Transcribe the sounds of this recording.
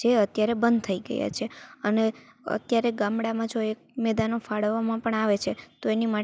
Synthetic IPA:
eət̪jaɾebənd̪̚t̪ʰəiɡə̰ja̰t͡ʃʰeəne | ə̰t̪jaɾeɡãmɽamãd͡ʒoek̚mɛd̪anofaɽəʋːamãpəɳaʋet͡ʃʰet̪oenima

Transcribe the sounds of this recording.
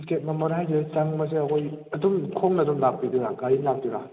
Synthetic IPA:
sket̚mamɐɾɦajdet͡ʃaŋmɐs̬eɐkʰojɐdumkʰoŋnɐdumlak̚piduɾaɡaɾilak̚diɾa

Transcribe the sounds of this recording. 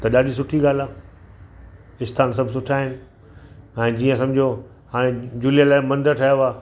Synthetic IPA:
t̪ɐɗaːɗʱisʊʈʰiɡaːl̤aː | ɪst̪ʰaːnsɐbʱsʊʈʰaːɦɪnɪ̆ | ɛ̃ːd͡ʑiːə̃sɐ̃md͡ʑʱo | ɦaːɽ̃ẽd͡ʑuːlijəlaːmɐ̃nd̪əʈʰajoaː

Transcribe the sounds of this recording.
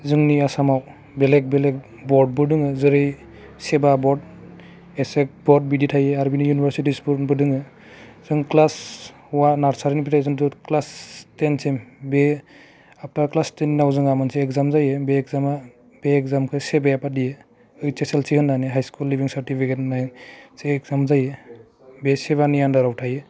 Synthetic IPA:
zɯŋniasamaw | belek̚belek̚ | bɔɾd̚bɯdɯŋɯzɯɾɯj | sebabɔd̚ | esek̚bɔd̚biditʰajeaɾbinijunibaɾsitispubɯdɯŋɯ | zɯŋklas | uwanaɾsaɾinipʰitʰajzɯŋdɯklastensembe | ap̚naklastennawzɯŋamanseːkzamzajebeːkzama | b̥eɛkzamkʰɯsɛbajapadije | ɯjt͡ʃeselsihɯnːaneɦajskulːibiŋsaɾtipʰiketnajseːkzamzaje | besɛβanijandaɾawtʰaje

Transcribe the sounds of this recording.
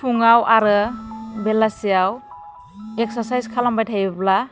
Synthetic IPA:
pʰuŋawʔaɾɯbelasijaw | ek̚saɾsajskʰalambajtʰajbɯpla

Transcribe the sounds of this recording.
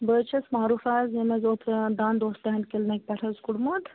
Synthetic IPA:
bəːt͡ʃʰɐsmaːɾuːfaːzemɐzoːt̪ʰd̪aːnd̪oːst̪ɐɦɐnkelnɐk̚ʲpɐʈʰɐzkuɽmud̪

